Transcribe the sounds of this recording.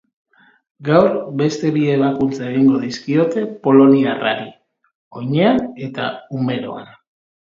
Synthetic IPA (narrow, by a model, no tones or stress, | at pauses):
ɡawɾbe̞st̪e̞βie̞βakunt͡saeɣ̞iŋɡo̞ðiskio̞t̪e̞po̞lo̞niara̰ɾi | o̞ɲe̞ane̞t̪a̰ume̞ɾo̞a̰n